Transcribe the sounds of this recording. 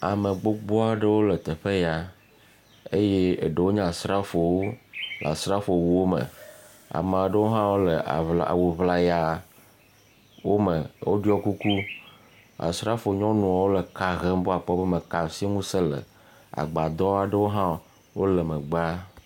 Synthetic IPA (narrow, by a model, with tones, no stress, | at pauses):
a˨me˨ɡ͡bo˦ɡ͡bɔ˦a˦ɖe˦wo˦le˨t̪e˨ɸe˦ja˨ | e˦je˦e˨ɖe˨wo˦ɲã˦˨sɾa˦fo˨wo˦la̰˨sɾa˦fo˨wu˦wo˦mə̰̃˨ | a̰˨mã˨ɖə˦wo˦ɦã˦wo˦lḛ˨la̰˨wo˨vla˨ja˨ | wo˦me˨wo˦ɖi˦ɔ˦ku˦ku˦ | a̰˨sɾa˦fo˨ɲɔ̃˦nũ˨a˨wo˦le˨ka˨ɣe˦m˦bo˦a˨k͡pɔ˦be˦mẽ˨ka˨si˦ŋũ˦se˦lḛ˨ | a̰˨ɡ͡ba˨d̪ɔ˦a˨ɖə˦wo˦ɦã˦ | wo˦le˨mə̃˨ɡ͡ba˦